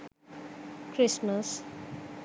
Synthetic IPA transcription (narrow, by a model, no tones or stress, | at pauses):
kʰɾɪsməs